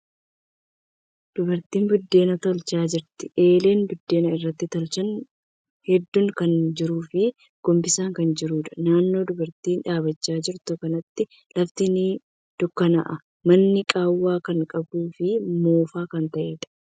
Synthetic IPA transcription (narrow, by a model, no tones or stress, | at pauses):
d̪̥ʊbɐɾt̪iːnbʊd̪ːe̞ːnɐt̪ɐlt͡ʃaːd͡ʒɪɾt̪ɪʔe̞ːle̞ːnbʊd̪ːe̞ːnɐɪrːɐt̪ːɪt̪ɐlt͡ʃɐn | hɛd̪ːʊŋkɐnd͡ʒɪɾuːfɪ | ɡ̥ɔmbɪsaːŋkɐnd͡ʒɪɾuːᶑ̪ɐ̥naːnːo̞ːd̪ʊbɐɾt̪iːnᶑaːbɐt͡ʃːaːd͡ʒɪɾt̪ʊkɐnɐt̪ːɪ | lɐft̪ɪni | d̪̥ʊkːɐnɐ̰ʔɐ | mɐnːɪkʼaːwːaːkɐŋkʼɐbuːfɪmo̞ːfaːkɐnt̪ɐʔeːᶑ̪ɐ̥